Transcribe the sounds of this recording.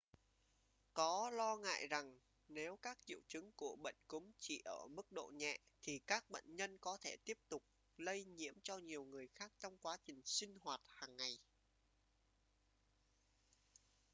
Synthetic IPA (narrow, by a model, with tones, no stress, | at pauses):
kɔ˨˦lɔ˧ŋa̰ː˧˨jza˨˩ŋ | ne˨˦wkaː˦˥k̚t͡ɕḭ˧˨əwt͡ɕɨ˨˦ŋku˧˩əɓə̰˧˨jŋkʊ˨˦ŋ͡mt͡ɕḭ˧˩ʔəː˧˩mɨ˦˥k̚ɗo̰˧˨ɲɛ̰˧˨t̪ʰi˨˩kaː˦˥k̚ɓə̰˧˨jnɲə˧nkɔ˨˦t̪ʰe˧˩t̪i˦˥əp̚t̪ʊ˨˩k͡p̚ | lə˧jɲḭ˧˥əmt͡ɕɔ˧ɲi˨˩əwŋɨ˨˩əjxaː˦˥k̚t͡ɕɔ˧wŋ͡mkwaː˨˦t͡ɕï˨˩ŋ̟sï˧ŋ̟hwaː˨˩t̚haː˨˩ŋːa˨˩j